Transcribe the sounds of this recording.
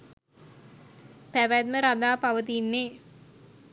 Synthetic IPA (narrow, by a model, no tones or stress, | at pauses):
pæʋæd̪məɾad̪aːpaʋət̪inːeː